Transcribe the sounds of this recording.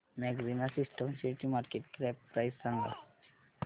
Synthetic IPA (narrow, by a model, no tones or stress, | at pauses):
mɛɡzinasisʈəmsiʈimaɾkeʈkɾɛpːɾajsːaŋɡa̰